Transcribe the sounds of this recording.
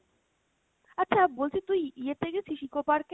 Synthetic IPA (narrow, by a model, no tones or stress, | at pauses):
atːɕʰabolt͡ɕʰit̪ujiet̪ʰːeket͡ɕʰiʃikopaɾke